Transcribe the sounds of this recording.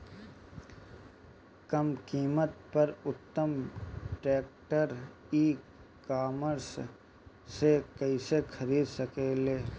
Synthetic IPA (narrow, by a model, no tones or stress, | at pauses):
kəmkiːmət̪pəɾʊt̪ːəmʈeːk̚ʈəɾ | iː | kaːməɾs | sekɐisekʰɐɾiːd̪səkeːleː